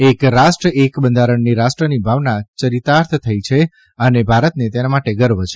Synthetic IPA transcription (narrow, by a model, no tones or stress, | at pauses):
ekɾaʃʈɾəekbənd̪ʱaɾəɳniɾaʃʈɾənibʱaʋnat͡ʃəɾit̪aɾt̪ʰt̪ʰəjt͡ʃʰe | ənebʱaɾət̪net̪enamaʈeɡəɾʋət͡ʃʰe